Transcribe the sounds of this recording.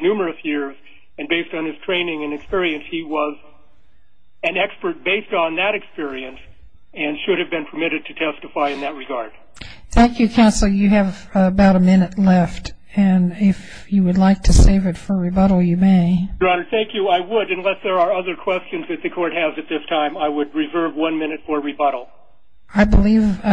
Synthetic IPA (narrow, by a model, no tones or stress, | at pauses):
nʉmə˞ɨsjɪɹz | ɨ̃nbeɪstn̩ɨz̥tʰɹ̥ẽɪ̃nɪ̃ŋɨ̃nɨkspɪɹiɨ̃nshiwʌz | ɨ̃nɛkspə˞t̚b̥eɪstn̩ðɨɾɨkspɪɹiɨ̃ns | ɨ̃nʃʊɾɨvbɨ̃npʰə˞mɪɾɨd̚tʰɨtʰɛstɨfaɪɨ̃nðɨt̚ɹɨɡɑɹd̥ | θæ̃ŋkʰjɨkʰãʊ̃nsl̩ˠjɨːv | əbaʊɾəmɪ̃nɨtˡlɛft | ɨ̃nɪf | jɨwɨdˡlaɪk̚tʰɨseɪvɨtfə˞ɹibʌɾl̩ˠjɨmeɪɹɑɾə˞θæ̃ŋkjɨaɪwəɾɨ̃nlɛsðə˞ːʌðə˞kʰw̥ɛst͡ʃɨ̃nzðɨt̪̚ðɨkʰɔɹt̚hɨzɨt̪̚ðɪstʰãɪ̃maɪwəd̚ɹɨzɜ˞vwʌ̃nmɪ̃ñɨtfə˞ɹibʌɾl̩ˠ | aɪbəliv